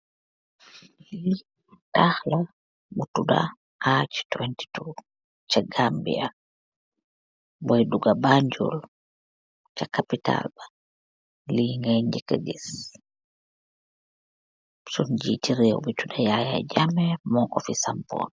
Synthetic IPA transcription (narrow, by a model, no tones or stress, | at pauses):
li | tahla | mutuda̰ | ʔat͡ʃtwɛnti̥tu | t͡ʃaɡambḭa | bɔjduɡabaɲd͡ʒɔ̰l | t͡ʃakapita̰lba | liŋɡɛɲd͡ʒɛkaɡɛs | sɔnd͡ʒḭtiɾɛwɔbitudajajad͡ʒamɛmɔŋʔɔfisampɔ̰n